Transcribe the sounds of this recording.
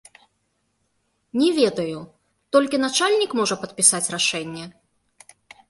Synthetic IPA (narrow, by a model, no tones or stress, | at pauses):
nʲɛvʲɛd̪ɐju | t̪ɔlʲkʲinat͡ʂalʲnʲikmɔʐɐpɐt̪̚pʲisat͡sʲraʂɛnʲːɛ